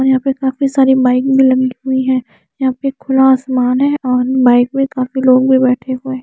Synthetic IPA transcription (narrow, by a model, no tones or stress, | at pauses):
ɔːɾjɐɦãpekaːfisaːɾibaːɪkbʱilɐɡiiɦʊiɦɛ̃ː | jɐɦãːpekʰʊlaːsmaːnɦɛ̃ɔːɾbaːɪkmẽkaːfiloːɡbʱibɛːʈʰeɦʊẽː